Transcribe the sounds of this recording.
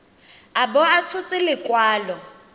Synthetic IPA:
abɔat͡sʰʊt͡sʼɪlɪkʼwaːlɔ

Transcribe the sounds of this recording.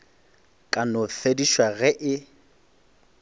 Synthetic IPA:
kʼanʊfediʃwaɣɛʔɪ

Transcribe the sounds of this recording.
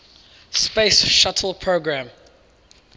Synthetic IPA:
speɪsʃatʰəl̩ˠpʰɹoɡɹãm

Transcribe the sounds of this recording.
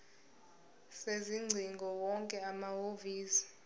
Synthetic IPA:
seziŋ͡ǀʱiŋɡʱɔwɔŋkʼɛamahoviːsi̥

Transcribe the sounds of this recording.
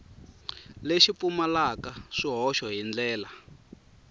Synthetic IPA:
leʃipumalakaʂiɦɔʃɔɦind͡ɮɛːla

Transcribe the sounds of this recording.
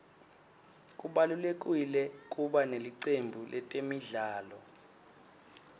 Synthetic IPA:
k̬ʼuɓalulek̬ʼwilɛk̬ʼuɓaneliǀembʱulʔɛtʼemiɮaːlɔ

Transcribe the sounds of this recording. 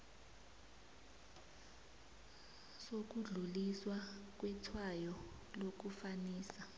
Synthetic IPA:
sok̬uɮuliswak̬ʼwɛtʰwajɔ | lok̬ufaniːsa

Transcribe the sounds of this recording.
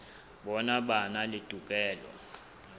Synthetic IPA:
ɓɔnaɓanalid̥ʱʼuk̬ʼɛːlwa̰

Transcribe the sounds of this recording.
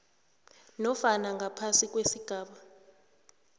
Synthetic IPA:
nɔfanaŋɡʱapʰasik̬ʼwesiɡ̥ʱaːɓa

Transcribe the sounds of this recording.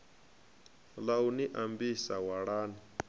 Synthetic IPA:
lawniʔambisawaɽaːn

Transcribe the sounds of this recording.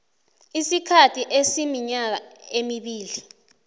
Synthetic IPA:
isikʰatʰiʔesimiɲak̬aemiɓiːli

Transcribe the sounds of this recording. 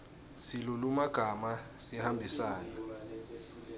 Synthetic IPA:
silulumaɡ̥ʱamasihambʱisaːna

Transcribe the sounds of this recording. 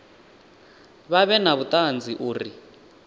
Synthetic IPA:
βaβɛnaβut̪ʼand͡zʱiʔuːri

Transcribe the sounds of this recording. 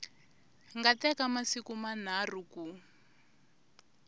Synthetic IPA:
ŋɡatɛkamasikuman̤ar̤uku

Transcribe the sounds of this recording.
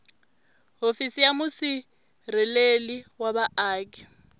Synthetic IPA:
ɦofisijamusi | rɛleliwaβaʔaːk̬ʼi̥

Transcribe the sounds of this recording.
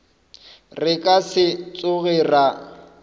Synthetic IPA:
rɪkʼasɪt͡sʼʊɣɛra

